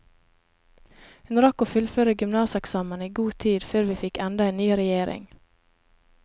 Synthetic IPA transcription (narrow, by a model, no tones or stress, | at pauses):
hʉnɾɑkoːfʉlføːɾəɡʏmnɑːsɛksɑːməniːɡuːt̪ʰiːd̪føːɾʋiːfɪkɛnd̪ɑeːnnyːɾɛjeːɾʔɪ̰ŋ